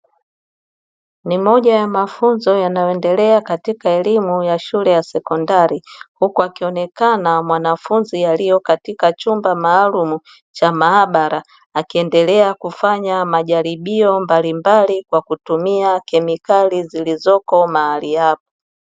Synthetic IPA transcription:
nimɔʄajamafunzɔjanajɔɛndɛlɛakatikaɛlimujaʃulɛjasɛkɔndaɾihukuakiɔnɛkanamwanafunzijalijɔkatikat͡ʃumbamaːlumu | t͡ʃamaːɓaɾaː | kiɛndɛlɛakufaɲamaʄaɾiɓiɔmbalimbalikwakutumiakɛmikalizilizɔkɔmaalijap̚ɔ̥

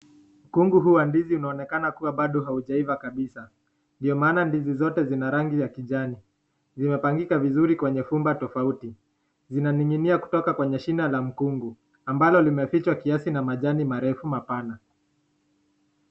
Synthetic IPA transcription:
m̩kuŋɡuɦuwandiziunaɔnɛkanakuwaɓaɗɔɦauʄaivakaɓisa | ndiɔmaːnandizizɔtɛzinaɾaŋɡizakiʄani | nzimɛpaŋɡikavizuɾikwɛɲɛfumbatɔfauti | zinaniŋɡiniaku̥tɔkakwɛɲɛʃinalam̩kuŋɡu | ambalɔlimɛfit͡ʃwakiasinamaʄanimaɾɛfumapana

